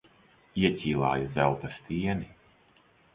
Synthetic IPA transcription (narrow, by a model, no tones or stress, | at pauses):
iɛcʲiːlˠa̰ːjuzɛlˠt̪ast̪ʲiɛni